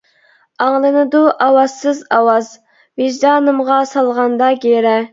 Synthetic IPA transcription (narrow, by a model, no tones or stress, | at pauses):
ɑŋlˠɨnɨd̪uʔɑwɑsɨzɑwɑz | viʒd̪ɑːnɨmʁɑsɑlˠʁɑnd̪ɑɡʲeɾɛ